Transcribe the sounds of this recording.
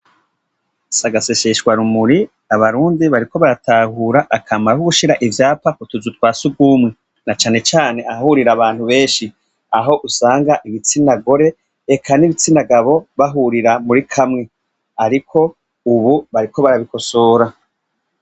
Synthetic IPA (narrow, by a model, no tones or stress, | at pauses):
saɡase̞ʃe̞ʃɡwaɾumuɾi | aβaɾuːndiβaɾiko̞βaɾatahuɾaʔakʰamaɾauɡuʃiɾaʔivjaːpakutuzutwaːsuɡɡuːmŋe | nat͡ʃaːne̞t͡ʃaːne̞ʔaahuɾiɾaβaːn̥huβe̞ːnʃi | aɦo̞ʔusaːŋɡaʔiβit͡sinaɡo̞ɾe̞ː | kʰaniβit͡sinaɡaβo̞βaɦuɾiɾamuɾikʰamŋe̞ | aɾikʰo̞ | uβuβaɾiko̞βaɾaβiko̞so̞ːɾa